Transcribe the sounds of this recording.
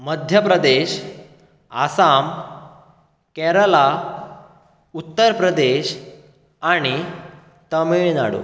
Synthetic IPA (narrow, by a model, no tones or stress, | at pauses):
məd̪ʱjəpɾəd̪eɕ | a̰sam | kɛɾəla | ut̪ːəɾpɾəd̪eɕ | aɽ̃i | t̪əmiɭna̰ɽo̰